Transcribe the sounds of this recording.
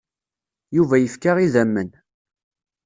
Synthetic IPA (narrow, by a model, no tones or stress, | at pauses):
juvæjəfkaʁiðæmːən